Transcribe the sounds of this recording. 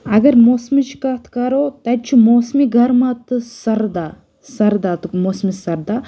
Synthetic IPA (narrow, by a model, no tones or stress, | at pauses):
ɐɡɐɾmoːsmit͡ʃʰkɐt̪ʰkɐɾot̪ɐt͡ʃʰimoːsmiɡʱɐɾmat̪ɨsɐɾd̪a | sɐɾd̪at̪moːsmisɐɾd̪a